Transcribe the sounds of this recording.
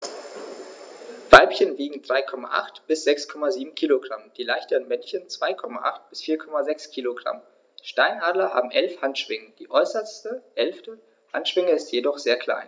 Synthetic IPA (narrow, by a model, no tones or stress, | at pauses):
v̥aɪpçənviːɡŋ̩dʁaɪkʰɔma̰ʔa̰χtb̥ɪsz̥ɛkskʰɔmaziːbm̩kʰiːloɡʁamd̥iːlaɪçtəʁənmɛnçənt͡sv̥aɪkʰɔma̰ʔa̰χt̚b̥ɪsfiːɐkʰɔmazɛkskʰiːloɡʁa̰m | ʃtaɪnʔaːdlɐha̰ːbm̩ʔɛlfhantʃv̥ɪŋəd̥iːʔɔʏsɐstəʔɛlftə | ha̰ntʃv̥ɪŋəɪstjedɔχz̥eːɐkʰl̥a̰ɪn